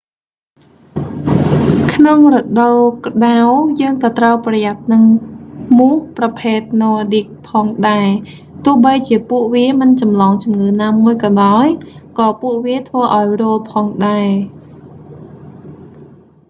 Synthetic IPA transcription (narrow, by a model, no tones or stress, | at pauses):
kʰnoŋrɔɗowkɗawjəːŋkɑːt̪rəwprɑjat̪̚nɨŋmuhprɑpʰeːt̪̚noːaɗik̚pʰɑːŋɗaɛ | t̪ʊ̆əhɓəjt͡ɕiəpuəʔʋiəmɨnt͡ɕɑmlɑːŋt͡ɕumŋɨːnaːmuəjkɑːɗaɔjkɑːpuəʔʋiət̪ʰʋəːʔaɔjrʊəlpʰɑːŋɗaɛ